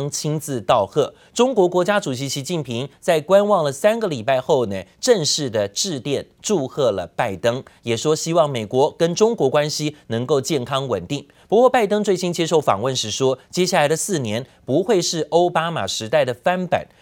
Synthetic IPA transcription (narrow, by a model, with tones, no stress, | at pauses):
ŋt͡ɕʰi˥ŋt͡sɹ̩˥˧t̪ɑ˥˧ʊxɤ˥˩ | ʈ͡ʂʊ˥ŋkwɔ˧˥kwɔ˧˥t͡ɕja˥ʈ͡ʂu˨˩ɕ̬i˧˥ɕi˧˥t͡ɕi˥˩npʰi˧˥ŋt͡sa˥˩ɪkwa˥nwɑ˥˩ŋlə˩sa˥nɡə˨li˨˩pa˥˧ɪxo˥˩ʊnə˩ʈ͡ʂə˥˧ŋʂɻ̩˥˩d̪ə˩ʈ͡ʂɻ̩˥˧t̪jɛ˥˧nʈ͡ʂu˥˧xɤ˥˩lə˩pa˥˩ɪt̪ɤ˥ŋjɛ˨˩ʂwɔ˥ɕi˥wɑ˥˩ŋme˨˩ɪkwɔ˧˥kə˥nʈ͡ʂʊ˥ŋkwɔ˧˥kwa˥nɕi˥nɤ˧˥ŋko˥˧ʊt͡ɕjɛ˥˩nkʰɑ˥ŋwə̰˨˩nt̪i˥˩ŋ | pu˧˥kwɔ˥˧pa˥˩ɪt̪ɤ˥ŋt͡swe˥˩ɪɕi˥nt͡ɕjɛ˥ʂo˥˩ʊfɑ̰˨˩ŋwə˥˧nʂɻ̩˥˩ʂwɔ˥t͡ɕjɛ˥ɕja˥˩la˧˥ɪd̪ə˧sɹ̩˥˩njɛ˧˥npu˧˥xwe˥˧ɪʂɻ̩˥˩ʔo˥ʊpa˥ma̰˨˩ʂɻ̩˧˥t̪a˥˩ɪd̪ə˩fa˥npa̰˨˩˦n